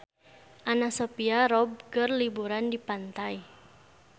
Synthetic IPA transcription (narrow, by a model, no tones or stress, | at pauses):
ʔanasopiaɾɔb̚kərlibuɾandipant̪ai